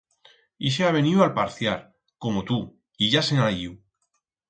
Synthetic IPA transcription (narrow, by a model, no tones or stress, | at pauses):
iʃ̬eaβ̞e̞niwalpaɾθjaɾ | ko̞mot̪u | iʝasenajiw